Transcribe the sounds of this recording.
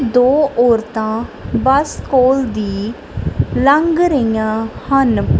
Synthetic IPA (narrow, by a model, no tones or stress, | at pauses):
d̪oːʔoːɾt̪ãːbəskoːld̪iː | ləŋɡɾəjãːhən